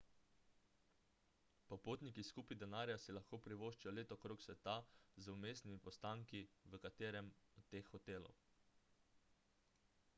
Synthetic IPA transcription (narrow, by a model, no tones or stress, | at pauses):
pɔpoːt̪nikiskuːpid̪ɛnaːɾjasilaxkoːpɾiʋoːʃt͡ʃijɔleːt̪ɔkɾoːksʋɛt̪azumeːsnimipɔst̪aːŋkiʋəkat̪eːɾɛmɔt̪ːeːxːɔt̪eːlɔ̰w